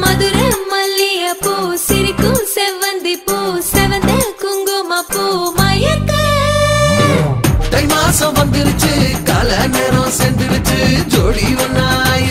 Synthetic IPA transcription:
mɐd̪uɾɐmɐlːijɐpːusiɾikuseʋɐnd̪ipːusɛʋɐnd̪ɐkuŋɡomɐpːumaːjɐkɐ | ʈɐjmaɐsɐ̃bɐnd̪iɾit͡ʃɯkaːlɐneɾõːsend̪iɾit͡ʃid͡ʒoːɽiʋɐnːaːj

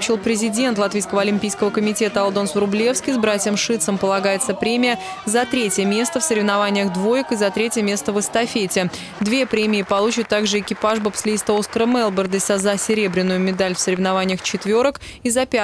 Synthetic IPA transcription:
pɕilˠpɾʲɪzʲɪdʲe̞nt̪lˠɐt̪vʲijskəvəɐlʲɪmʲpʲijskəvəkəmʲɪtʲe̞t̪əɐlˠd̪o̞nsvɾʊblʲe̞fskʲɪzbɾatʲɪjəmʂɨt̪səmpəlˠɐɡajɪt̪səpɾʲemʲɪjə | zɐt̪ɾʲetʲjəmʲe̞st̪əfsəɾʲɪvnɐvanʲɪjəxd̪vo̞jɪkɨzɐt̪ɾʲetʲjəmʲe̞st̪əvɨst̪ɐfʲetʲɪ | d̪vʲe̞pɾʲemʲɪːpɐlˠut͡ɕɪt̪ːaɡʐɨɪkʲɪpaʐbəpslʲɪist̪əoskəɾəmɛlˠbʲərd̪əsʲazɐsʲɪɾʲe̞bɾʲɪnːʊjʊmʲɪd̪alʲfsəɾʲɪvnavanʲɪjəxt͡ɕɪt̪vʲoɾək | izɐpʲ

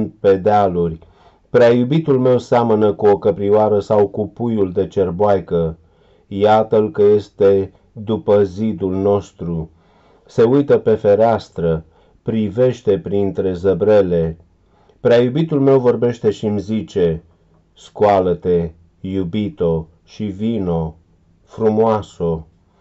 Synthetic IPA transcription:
npe̞d̪ealurʲ | pɾeajubit̪ulme̞wseamənəkuokəpɾiwaɾəsawkupujuld̪e̞t͡ʃe̞rboajkə | jat̪əlkəje̞st̪e̞ | d̪upəzid̪ulno̞st̪ɾu | se̞ujt̪əpe̞fe̞ɾeast̪ɾə | pɾive̞ʃt̪e̞pɾint̪ɾe̞zəbɾe̞le̞ | pɾeajubit̪ulme̞wvo̞rbe̞ʃt̪e̞ʃimzit͡ʃe̞ | skwalət̪e̞ | jubit̪o̞ | ʃivino̞ | fɾumoaso̞

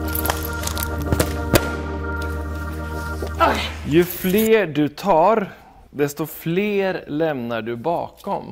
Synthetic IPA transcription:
jɵfleːɖɵt̪ʰɑːɾ | d̪ɛst̪ɔfleːɾlɛmnaɖɵbɑ̰ːkɔ̰m

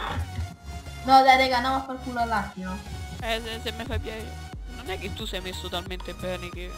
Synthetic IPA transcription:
nɔd̪aɾeɡanɔmafaɾk̪ulalːat̪ːioɛsɛsemːefajpjɛjo | nonɛkːet̪ːusɛjmesːot̪alment̪ebːɛːnek̟e

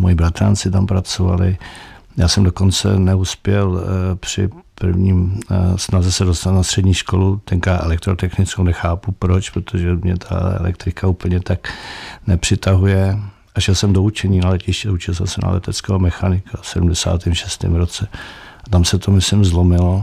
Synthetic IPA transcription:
mojibɾat̪ɾa̰nt͡sɪt̪ampɾat͡sova̰lɪja̰ːsɛmdoko̞nt͡sɛ̰nɛuspjɛlpr̝̥ɪ̰pr̩vɲiːsnazɛsɛdost̪alnast̪r̝̥ɛdɲiːʃko̞lut̪ɛŋkaʔɛ̰lɛkt̪ɾot̪ɛxnɪt͡skownɛxaːpupɾot͡ʃpɾot̪ʰoʒɛmɲɛt̪ʰa̰ɛ̰lɛ̰k̚t̪ɾɪkaupl̩ɲɛt̪aknɛpr̝̥ɪt̪aɦujɛ | aʃɛlsɛmdout͡ʃɛɲiːnalɛcɪʃcɛut͡ʃɪlsɛlmsɛna̰lɛ̰t̪ɛt͡skɛːɦomɛxanɪkʰasɛdumdɛsa̰ːt̪ɛmʃɛst̪ɪ̰ːmɾot͡sɛ | t̪amsɛt̪ʰomɪslɪmzlo̞mɪlo̞

